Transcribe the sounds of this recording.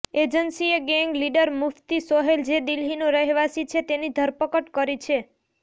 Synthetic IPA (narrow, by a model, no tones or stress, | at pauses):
ed͡ʒənsieɡeŋɡliɖəɾmuft̪isɔɦeld͡ʒed̪ilɦinoɾəɦɛʋasit͡ʃʰet̪enid̪ʱəɾpəkəʈkəɾit͡ʃʰe